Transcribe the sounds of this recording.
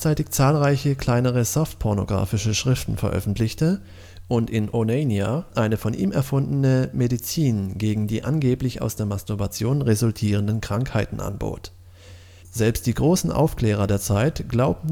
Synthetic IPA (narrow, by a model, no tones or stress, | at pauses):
t͡saɪtɪçt͡saːlʁaɪçəkl̥aɪnəʁ̞əzɔftpʰɔɐno̰ɡʁa̰ːfɪʃəʃʁ̥ɪftn̩fɛɐʔœ̰fn̩tlɪçtə | ʔʊntɪnʔoneɪniaʔaɪnəfɔnʔḭːmɛɐfʊndn̩əmedit͡siːnɡeːɡŋ̩diːʔanɡeːplɪça̰ʊsd̥eːɐmastuɐbat͡sjoːnʁezʊltʰiːʁəndənkʁ̥aŋkhaɪtn̩ʔa̰nbo̰ːt | z̥ɛlpst̚d̥iːɡʁoːsn̩ʔa̰ʊfkl̥ɛːʁ̞ɐdeːɐt͡saɪtɡ̥laʊb̩̚